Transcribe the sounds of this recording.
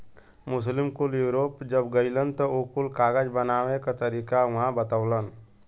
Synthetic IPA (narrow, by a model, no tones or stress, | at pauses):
mʊs̬lɪmkuljuːɾoːpd͡ʒəbɡəɪlənt̪ɔokulkaːɡəd͡ʒbənaːʋẽkat̪əɾiːkaɐɦãbət̪əwlən